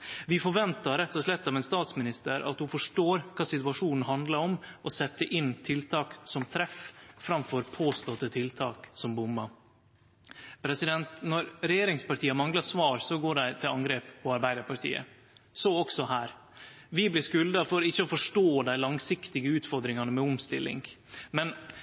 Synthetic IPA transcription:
ʋɪfɔɾʋɛnt̪ɑɾɛt̪ːɔslɛt̪ːɑʋɛnst̪ɑːt̪smɪnɪst̪əɾɑ̰t̪hʊfɔʂʈoːɾkʰɑːsɪt̪ʉɑʂuːnn̩hɑnd̪lɑɾɔmʔɔsɛt̪ːəʔɪnt̪ʰɪlt̪ʰɑːksɔmt̪ʰɾɛffɾɑmfɔɾpʰoːst̪ɔt̪ːət̪ʰɪlt̪ʰɑ̰ːksɔmbʊmːɑ | pʰɾɛsɪd̪ɛnt̪nɔɾɾɛjeːɾɪŋspɑʈʰiːəmɑŋlɑsʋɑːɾsɔɡoːɖæɪt̪ʰɪlɑŋɡɾeːppʰɔɑɾbæɪd̪əɾpʰɑʈ̪ʰḭːə̰ | sɔɔksɔhæːɾ | ʋɪblɪʂkʉld̪ɑfɔɾɪçːəɔfɔʂʈoːd̪æɪlɑŋsɪkt̪ɪɡəʉːt̪fɔɾd̪ɾɪŋɑnəmɛʊmst̪ɪlːɪ̰ŋ | mɛn

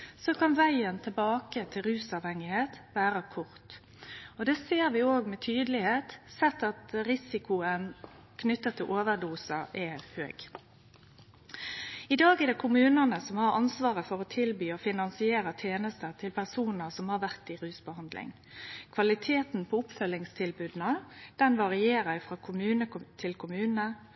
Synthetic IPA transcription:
sokʰɑnʋæɪənt̪ʰəbɑːkət̪ʰɪlɾʉːsɑʋhɛŋɪheːt̪ʋæːɾəkʰʊɾt̪ | ɔd̪ɛːseːɾʋɪoːɡmɛt̪ʰyːd̪lɪheːt̪sɛt̪ːɑt̪ɾɪsɪkʰʊən | kʰnʏt̪ːət̪ʰːɪlʔoːʋəʁd̪uːsəʔɛhøːɡ | ɪd̪ɑːɡɛd̪ɛkʰʊmʉːnənəsɔmhɑʁɑnsʋɑːʁəfɔɾɔt̪ʰɪlbyːɔfɪnɑnsɪeːɾət̪ʰeːnəst̪ət̪ʰɪlpʰæʁsuːnəʁsɔmhɑːʁʋæʁt̪ɪʁʉːsbəhɑnd̪lɪ̰ŋ | kʰʋɑlɪt̪ʰeːt̪n̩pʰɔʊpfœlːɪŋst̪ʰɪlbʉːd̪nəd̪̥ɛnʋɑʁɪeːɾəɪfʁɑːkʰʊmʉːnət̪ʰɪlkʰʊmʉːnə

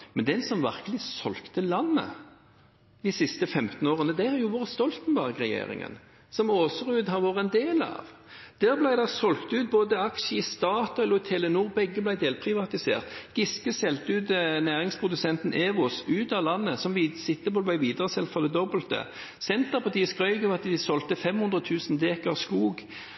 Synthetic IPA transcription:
mɛnd̪ɛnsɔmʋæʁkəlɪsɔlkt̪əlɑnːə̰ | d̪ɪsɪst̪əfɛmt̪n̩oːʁənəd̪ɛæɾjʊʋoːʁəst̪ɔlt̪n̩ʋɑʁkʁɛjḛːʁɪ̰ŋə̰n | sɔmoːsʁʉːəd̪hɑʁʋoːʁəɛnd̪eːlɑ̰ʋ | d̪̥æːʁblæɪd̪ɑsɔlkt̪ʉːt̪̚boːd̪əɑkʃəɪst̪ɑːt̪ɔɛlɔt̪ʰɛlənuːʁbɛɡːəblæɪd̪eːlpʰʁɪʋɑt̪ɪsḛːʁt̪ɡ̥ɪskəsɛlt̪ʉːt̪næːʁɪŋspʰʁʊd̪ʉsɛnt̪n̩ʔeːʋʊsʉːt̪ɑlɑnːəsɔmʋɪsɪt̪ːəpɔlbæɪʋiːd̪əʁəsɛlt̪fɔʁd̪ɛd̪ɔbəlt̪ə̰ | sɛnt̪əʁpɑt̪ʰiːskʁœʏɡəʋɑt̪d̪ɪsɔlt̪əfɛmhʉʊnd̪ʁət̪ʰʉːsn̩d̪eːkɑʁskuːɡ

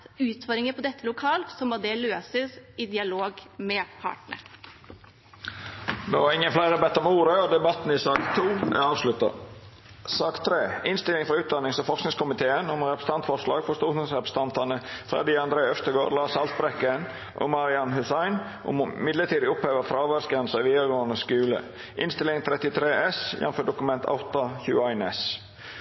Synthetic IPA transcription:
ʉːt̪fɔɾɪŋəpʰɔd̪ɛt̪ːəlʊkʰɑːlt̪sɔmɑd̪ɛløːsəsɪd̪ɪɑloːɡmɛpʰɑ̰ːʈnə̰ɾ | noɪŋːənflæɪɾəbɛt̪ːɔmuːɾəɔd̪ɛbɑt̪n̩ɪsɑːkt̪ʰuːæ̰ɾɑːʋslʉt̪ːɑ̰ | sɑːkt̪ʰɾeːɪnst̪ɪlɪŋfɾɑɾʉːt̪̚d̪ɑnːɪŋsɔfɔɾknɪŋskʊmɪt̪ʰeːənɔmɾɛpɾə̥st̪ɑnt̪fɔɾʂlɑːɡfɔst̪oːlnənsɾɛpɾə̥st̪ɑnt̪ɑnəfɾɑ̰ːd̪ɪɑnd̪ɾeːœft̪əɡo̰ːɾlɑːsɑlt̪̚bɾɛkːən | ʔɔ̰mɑɾɪɑnɦʉsɑɪn | ʔɔ̰mmɪd̪ləʈiːd̪ɪʊpheːʋəɾfɾɑːʋœɾskɛnsæɪʋiːd̪ɑɾɡoːɑnəskʉːlə̰ | ʔɪ̰nst̪ɪlɪŋt̪ʰɾɛt̪ɪt̪ʰɾeːʔɛsjɛ̰nfœːɖʊkʉmɛnt̪ʰɑ̰ʊt̪ːɑçʉːəæɪnɛ̰s

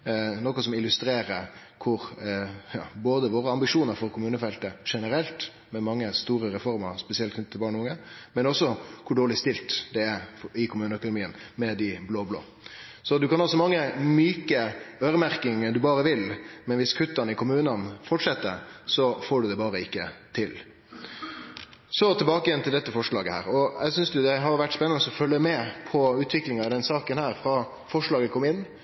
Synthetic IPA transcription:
nɔkɔsɔmɪlʉst̪ɾeːɾə | kʰʊɾjɑ̰ːboːd̪əʋoːɾəɑmbɪʂuːnəɾfɔɾkʰʊmʉːnəfɛlt̪əʂɛnəɾɛlt̪ | mɛmɑŋːəst̪uːɾəɾɛfɔɾmɑɾspɛsɪɛlt̪kʰnt̪ʰːɪlbɑːɳɔʊŋːəmɛnɔsːɔkʰʊɖoːɭɪst̪ɪlt̪d̪ɛæɪkʰʊmʉːnəœkʊnʊmiːənmɛd̪ɪbloːblo̰ː | sɔd̪ʉkɑnhɑːsɔmɑŋːəmyːkəøːɾəmæɾkɪŋd̪ʉbɑːɾəʋɪlmɛnʋɪskʰʉt̪ːɑnɪkʰʊmʉːnɑnfɔʈʂɛt̪ːəɾsɔfoːɖʉd̪ɛbɑːɾəɪkːə̰t̪ʰɪl | sɔt̪ʰɪlbɑːkəjɛnt̪ʰɪld̪ɛt̪ːəfɔʂɭɑ̰ːɡəhæ̰ːɾɔɛsʏnsd̪ʉd̪ɛɦɑɾʋæʈːspɛnːɑnəsɔfœlːəmɛpʰɔʉːt̪ʰʋɪklɪŋɑɾɪd̪ɛnsɑːkənhæːɾfɾɑ | fɔʂɭɑːɡəkʰɔməɪnː

